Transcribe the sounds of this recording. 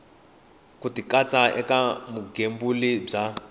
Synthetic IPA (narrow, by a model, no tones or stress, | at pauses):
kutikat͡sʼaɛ̰kamuɡembulib͡ʐa